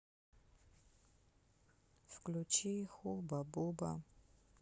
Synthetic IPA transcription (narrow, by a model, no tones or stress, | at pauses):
fklʲut͡ʃixubabuba̰